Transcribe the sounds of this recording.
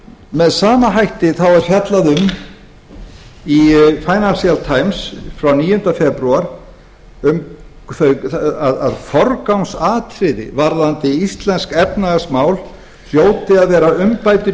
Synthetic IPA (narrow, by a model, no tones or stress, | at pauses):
mɛðsaːmaɦajht̪ɪθawvaɾ̥fjat̪laðʏm | ifaːjnalsjalt̪ʰaːjmsfɾawniːjʏnt̪afɛpɾuaɾ̥ | ʏm | θœaða̰ðfɔɾkawnsaːt̪ʰɾɪðɪ̰vaɾðant̪ɪist̪lɛnskɛpnaɣasmaːwl | sjoːwt̪ɪaðvɛːɾaʏmpajt̪ʏ